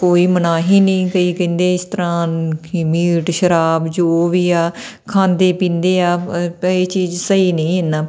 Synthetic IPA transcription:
koːiːmənaːɦiːnĩːkəiːkə̃ːnd̪eːɪst̪əɾãːkimiːʈʃəɾaːbd͡ʒoːʋiːaː | kʰãːnd̪eːpĩːnd̪eːaːeːt͡ʃiːzsəiːnəĩːɦend̪aː

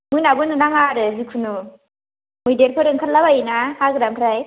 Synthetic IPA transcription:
mɯnabɯnɯnaŋaɾɯzikʰunu | mɯjdeɾpʰɯɾɯŋkʰat̚labainahaɡɯɾamkʰɾaj

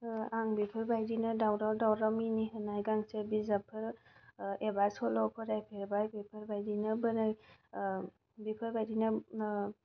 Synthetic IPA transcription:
aŋbipʰɯɾbajɾinɐdawɾadawɾaminiɦɯnajɡaŋsəɾbizapʰɯɾ | ebasɔlɔwpʰɯɾajpʰeɾbajbipʰɯɾbajdinɐbənaj | bipʰɯɾbajdinɐ

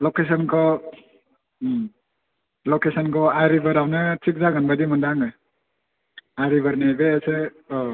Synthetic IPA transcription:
lokes̬ɔnkʰɔ | lokesɔnkʰɔajɾibaɾawnɯtʰik̚zaɡanbadimɔndaŋɯ | ajɾibaɾnebeːse

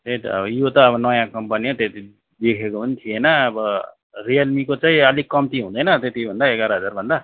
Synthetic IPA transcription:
t̪eʈʌ̰bʌjot̪ʌːβʌnʌjãkʌmpaniat̪et̪i | d̪ekʰekoʌnt̪ʰienʌːbʌ | rijʌlmikot͡saĩʌlikʌmt̪iɦũd̪ʌjnʌt̪et̪ibʱʌnd̪aeɡaɾʌɦʌd͡zarbʱʌnd̪a

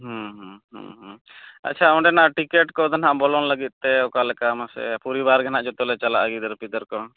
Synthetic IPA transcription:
ɦɔ̃ɦɔ̃ɦɔ̰̃ɦ | a̰tːt͡ʃʰaɔɳɖɛnaʔʈikɛʈkɔd̪anɦaʔbɔlɔŋləɡit̪̚ˀt̪ɛɔkalɛkamasɛ̰puɾibaɾɡanaʔd͡ʒɔt̪ɔlɛt͡ʃalaʔaɡid̪əɾpid̪əɾkɔ

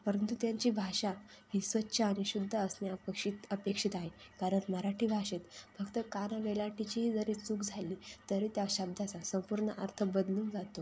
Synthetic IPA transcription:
pəɾənt̪ut̪jaɲt͡ɕiːbʱaɕa | hiːsʋətːɕaːɽ̃iɕud̪ʱːəəsnjaəpekʂit̪əpekʂit̪aɦekaɾənməɾaʈʰiːbʱaɕet̪fəɡt̪əkanaʋelaʈʰit͡ɕiɦiːd͡zəɾiːt͡sukd͡zʱaliːt̪əɾiːt̪jaɕəb̚d̪ʱat͡sasəmpuɾɳəʔəɾt̪ʰəbəd̪luːŋd͡zat̪o

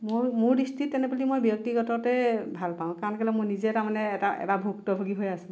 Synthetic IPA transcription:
momʊɹdistʰitːɛnɛpalimojbjɔk̚tiɡɔtɔtɛbʱalpaʊ̃kankalɛmojnizɛtamanɛːtaʔɛ̰tabʱuk̚tɔbʱoɡiɦojasʊ̃

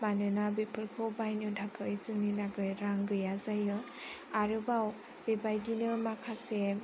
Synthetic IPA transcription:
manɯnabepʰɯɾkʰɔwbajnɯdʱakʰɯjzɯnilaɡɯjɾaŋɡɯjazajɯ | aɾɯbaw | b̥ebajdinɯmakʰase

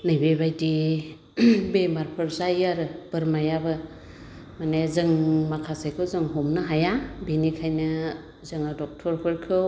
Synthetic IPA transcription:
najbebajdi | bemaɾpʰɯɾzajaɾɯb̥ɯɾmajabɯ | manezɯŋmakʰasajkʰɯwzɯŋɦɔmnɯɦajabenikʰajnɯ | zɯŋadɔk̚tʰɔɾpʰɯɾkʰɯ

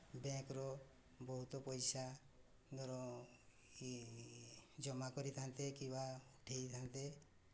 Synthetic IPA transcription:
bẽkɾɔ | bɔɦut̪ɔpɔjsa | d̪ɔɾɔ | d͡ʒɔmakɔɾit̪ʰant̪ekĩbauʈʰejt̪ʰant̪e

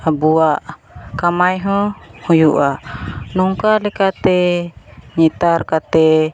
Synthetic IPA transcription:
abuaʔ | kamajɦɔ̃hujuʔanɔŋkalɛkat̪ɛ | ɲɛt̪arkat̪ɛ

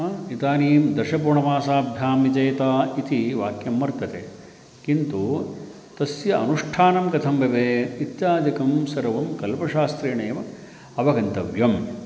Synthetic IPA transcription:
ɐit̪aːniːmd̪ɐʃɐp̬uːɳɐʋaːsaːbʱjaːmid͡ʒɐjt̪aːit̪iʋaːkjɐmːɐɾt̪ɐt̪e | kint̪u | t̪ɐsjɐɐ̰nuʂʈʰaːnɐmkɐt̪ʰɐmbɐʋeːit̪jaːd̪ʱikɐmsɐɾɐʋɐmkɐlpɐʃaːst̪ɾiːɳɐːm | ɐʋɐɡɐnt̪ɐʋjɐm

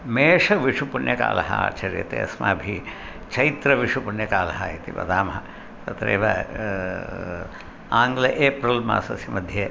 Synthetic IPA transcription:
meːʂɐʋiʂupunjɐka̰ːlɐ̰ɦɐa̰ːt͡ʃɐɾjɐ̰t̪ḛɐ̰sma̰ːbʱi | t͡ʃʰɐjit̪ɾɐʋiʂupunjɐkaːlɐɦɐaːjit̪iʋɐ̰d̪aːmɐɦɐ | t̪ɐt̪ɾḛːʋɐ | aːŋɡlɐʔeːpɾɐlma̰ːsɐsimɐd̪ʱjɐ

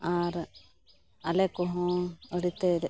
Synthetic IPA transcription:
aɾ | alɛkɔɦɔ̃əɽit̪ɛd

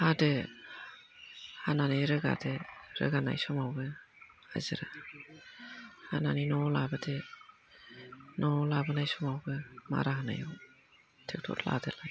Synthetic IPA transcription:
hadɯ | hananajɾɯɡa̰dɯɾɯ̰ɡana̰jsɔmawbɯ | a̰zɯɾa | hananinɔlabade | nɔlabanajsɔmawbɯma̰ɾaɦana̰jɔw | tʰek̚tʰɔ̰tʰla̰delaj

